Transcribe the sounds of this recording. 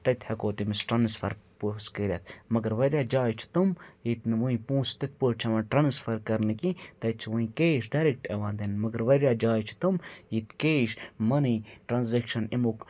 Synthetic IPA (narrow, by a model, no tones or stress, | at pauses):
t̪ɐt̪ʲhɐkoːt̪imisʈɾɐnsfɐ̰ɾposkiɾʲjɐt̪ʰmɐɡɐɾʋɐɾʲjaːd͡ʒaːjt͡ʃʰi̥t̪umjit̪nʋuĩpũːst̪it̪̚poːt͡ʃʰɐmɐʈɾɐnsfɐɾkɐɾnɨkit̪ɐt̪̚t͡ʃʰʋuĩkeːʃɖɐɾek̚ʈeʋãːnd̪ɐnmɐɡɐɾʋɐɾʲjaːd͡ʒaːjt͡ʃʰi̥t̪umjit̪keːʃmɐniʈɾɐnzekʃɐnimok